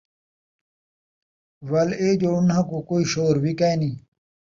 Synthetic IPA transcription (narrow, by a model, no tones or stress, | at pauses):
wɐleːd͡ʑounãkokoːiɕoːɾbikaenĩː